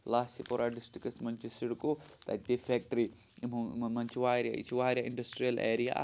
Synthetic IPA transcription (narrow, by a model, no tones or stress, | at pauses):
laːsipoɾaɖisʈɾikɐsmɐɲt͡ʃusiɽukːut̪ɐ̰t̚t̪ifeːk̚ʈɐɾi | mumɐɲt͡ʃuʋaːɾjɐ̰ḭt͡ʃuʋaːɾʲjɐʔiɳɖɐsʈɾijɐlʔḛːɾija̰